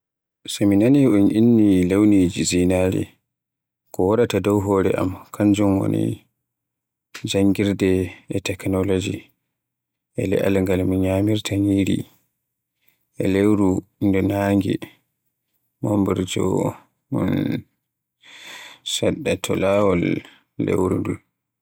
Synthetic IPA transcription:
saminaniʔunʔinːilewnid͡ʒizinaɾḭ | kɔwaɾatadɔwɦɔːɾɛ̰ʔa̰mkʰaɲd͡ʒumwo̰nḭ | d͡ʒaŋɡiɾdɛɛtɛknɔlod͡ʒi | ʔɛlɛ̰ʔa̰lŋɡalmunɲamiɾtʰaɲiːɾḭ | ʔɛ̰lewɾundɔnaːŋɡɛ̰ | mombuɾd͡ʒɔ̰ | munn | saɗːatʰɔlawɔlː | ḛwɾundul

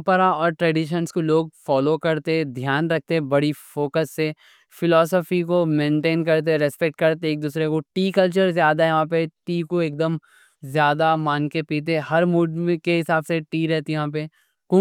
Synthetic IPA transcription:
pəɾaɔːɾʈɾɛːɖiʃənskoloːɡ̚fɔːlokɐɾt̪ẽd̪ʱjaːnɾɐk̚ʰt̪eɛ̃bɐɽifoːkəsːe | fɪlɔːsɔfikomẽːɳʈeːnkɐɾt̪̬eɛɾɛspek̚ʈ̚kɐɾt̪eeːk̚d̪uːsɾekoʈiːkɐlt͡ʃəɾzjaːd̪aɛjɐɦãpeʈiːkoeːk̚d̪əm | zjaːd̪amaːnkepiːt̪̬ehɐɾmuːɖkeɦɪsaːbseʈiːɾɛɦt̪ijɐɦãːp̬e | ku

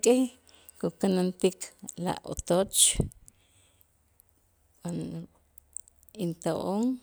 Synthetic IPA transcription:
kʼeh | kukanant̪ikla̰ʔo̰t̪ot͡ʃ | kan | int̪oʔoŋ

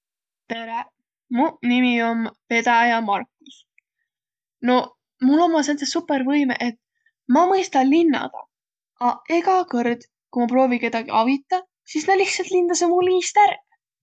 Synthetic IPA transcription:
t̪e̞ɾe | munimio̞mpe̞d̪ɑjɑmɑrkːˑis | no̞ | mulo̞mːɑsent̪sesupːˑe̞ɾvɤjmḛʔet̪ː | mɑmɤjst̪ɑlinːɑ̰d̪̥ɑ̰ | ʔɑe̞ɡɑkɤrd̪̥ | kumɑpro̞ːvike̞d̪̥ɑɡ̥iɑvit̪ˑːɑ | sisnɑliht̪sɑlt̪lind̪̥ɑsemulːiːst̪æɾ

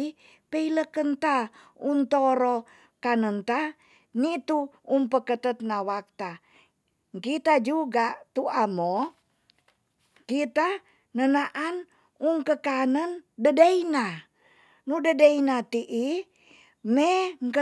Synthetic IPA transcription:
i | pəiləkənt̪a | unt̪oɾo | kanənt̪a | nit̪uumpəkət̪ət̪̚nawak̚t̪a | ŋkit̪ad͡ʒuɡat̪uamo | kit̪a | nənaʔan | uŋkəkanəndədəina | nudədəinat̪iʔi | meŋkə

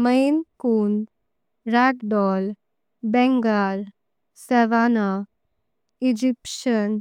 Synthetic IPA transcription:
məjnkun | ɾakɖɔl | bɛ̃ŋɡal | sɛʋana | id͡ʑipɕən

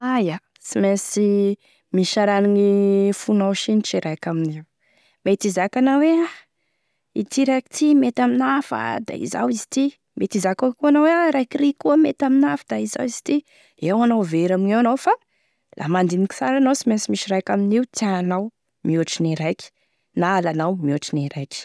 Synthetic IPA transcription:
aja | simesi | miʃaɾaninifunawʃiniʈ͡ʂiɾajkʲaminiw | met̪izakanawea | it̪iɾajki̥t̪ʰimet̪aminafa̰d̪a̰ḭza̰wizi̥t̪i | mʔet̪izakakuanaweaɾajkiɾikuəmet̪aminafəd̪̥aiza̰wiz̥i̥t̪i | ewanawveɾaminewanawfa | lʔa̰mand̪iniki̥saɾanawsimesimiʃiɾajkʲaminiwt̪iaanaw | miuʈ͡ʂiniɾajki̥ | naːlanawmiuʈ͡ʂiniɾajkʲi̥

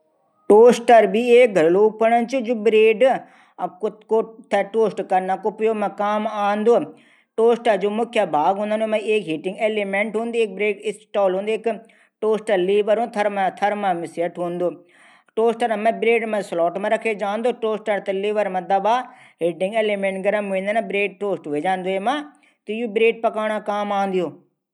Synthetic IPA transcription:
ʈoːsʈəɾbʱieːk̚ɡʱɐɾlopɐɽənt͡ʃʰud͡ʒubɾeːɖ | k̪kot̪ʰeʈoːsʈkɐɾnakopjomẽkaːmaːnd̪oː | ʈoːsʈəɾd͡ʒomʊkʰjabʱaːɡɦũnd̪anõmẽeːkɦiʈɪ̃ŋɡeːlimẽɳʈɦũːnd̪ieːk̚bɾeːʈɪsʈɔːlɦũːnd̪oeːk | ʈoːsʈəliːʋəɾɦũt̪ʰɐɾmat̪ʰɐɾmãmɪsjɐʈɦũːnd̪oː | ʈoːsʈɐɾãmɛ̃bɾeːʈmɐ̃slɔːʈmãɾɐkʰed͡ʒãːnd̪oːʈoːsʈət̪ɐliːʋəɾmɐ̃d̪ɐbaː | ɦiʈɪ̃ŋɡeːlemẽːɳʈɡɐɾəmĩːnd̪anãbɾeːʈ̚ʈoːsʈʋeːd͡ʒãːnd̪oːɦemã | t̪ijubɾeːʈ̚pɐkaːɽ̃ãkaːmaːnd̪ijoː

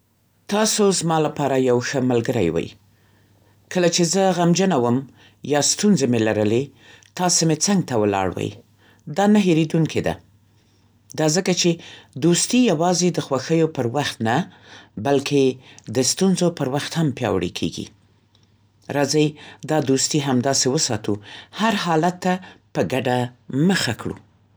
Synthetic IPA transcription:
t̪ɑsozmɑlapɑɾajawxəmalɡəɾa̰jwa̰j | kəlat͡ʃezəɣamd͡ʒənawəm | jɑst̪unzemelaɾəlet̪ɑsemet͡saŋɡ̚t̪awəlɑ̰ɽwə̰j | d̪ɑnaɦeɾed̪unkʰed̪a̰ | d̪ɑzəkat͡ʃed̪ost̪ijawɑzed̪əxwaxəjopəɾwaxt̪nabalkʰed̪əst̪unzopəɾwaxt̪hampjɑ̰wɽḛkʰḛɡḭ | ɾɑzajd̪ɑd̪ust̪iɦamd̪ɑsewəsɑt̪uhaɾhɑlat̪ːapəɡaɖaməxakɽṵ

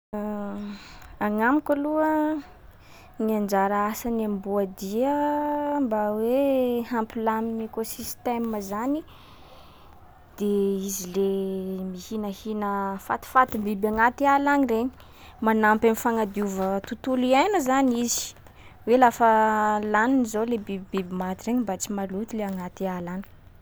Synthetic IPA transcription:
aŋamikʲaluə | niand͡ʒaɾaasanambuad̪iəmbawehampilaminekosist̪eməzani | d̪̥eizilemihinəhinəfa̰t̪i̥fat̪imbibaŋat̪ialanireɲi̥ | manampamifaŋad̪iuvət̪ut̪ulianuzanizi̥ | welafəlaninizolebibibibimat̪ireɲimbat͡simalut̪ileaŋat̪ialani̥

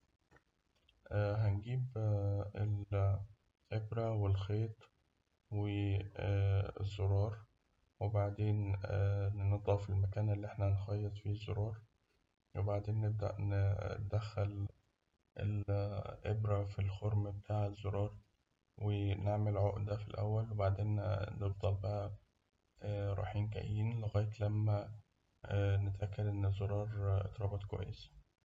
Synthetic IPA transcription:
ʔɦænɡiːb | el | ʔebɾæwelxeːt̪ˤ | we | zːoɾˤɑːɾˤ | webaʕd̪eːn | ned̪ˤɑfilmækæːnælːiːʔeħnæhnxɑjːɑt̪ˤfiːzːo̰ɾˤɑːɾˤ | webaʕd̪eːnːeb̚d̪æ̰ʔnd̪æxːæl | ʔḛlʔebɾæfilxoɾmbet̪ʰaːʕezːoɾˤɑːɾˤ | weneʕmelʕoʔd̪æfilʔæ̰wːælwebaʕd̪eːnnebd̪ˤɑlbæʔæ | ɾˤɑ̰ːħiːnkæ̰ʔiːnleɣæːjet̪læmːæ | net̪ʔækːæd̪ʔenːzoɾˤɑːɾˤʔḛt̪ˤɾˤɑːbɑt̪kowæ̰jːesæ̥

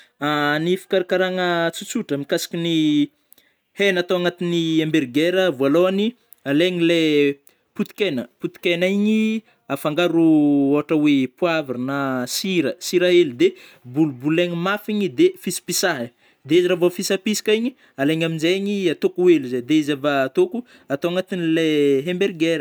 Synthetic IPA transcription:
anifi̥kaɾakaɾaŋət͡sut͡suʈ͡ʂəmikasi̥kʲini | henat̪oaŋat̪iniambeɾɡeɾəvualoani | aleɲile | put̪i̥kenəput̪i̥kenaiɲi | afaŋɡaɾuoɦaʈ͡ʂəwepuavainasiɾəsiɾaelud̪ebulubuleɲimafiɲid̪efisi̥pisaɦə | d̪eiziɾavofisapisi̥kaiɲi | aleɲaminzeɲiat̪okueluzad̪eizavaːt̪oku | at̪owaŋat̪inileɦemberɡeɾə

